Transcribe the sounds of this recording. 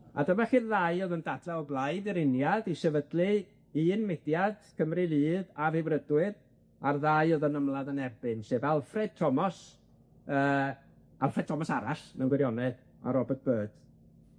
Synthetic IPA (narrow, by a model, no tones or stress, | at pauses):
a̰dəmaχiːrðaɨoðəndadaɔblˠaɨdiɾɪnjadisɛvədlˠɨ | iːnmɪdjad̥kʰəmrɨlˠɨːðavɪvrədwɨð | arðajoðənəmlˠaðənɛrbɨnseːvalˠfrɛd̥̚tʰɔmɔs | əː | alˠfrɛd̚tʰɔmɔsaɾasnanɡwɛɾjɔnɛð | a̰ɾɔbɔt̚b̥øːd̥